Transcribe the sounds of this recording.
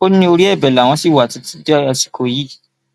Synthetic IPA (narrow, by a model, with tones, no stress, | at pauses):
o˦nĩ˧o˧ɾi˦ɛ˦˨bɛ˨la˨w̃ɔ̃˧˦si˦˨wa˨ti˨˧ti̥˦da˧si̥˨kʰo˧˨ji˦